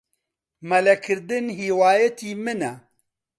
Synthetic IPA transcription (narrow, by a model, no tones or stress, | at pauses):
mɐlɛkʰɨɾd̪ɨnɦiːwaːjɛt̪iːmɨnɛ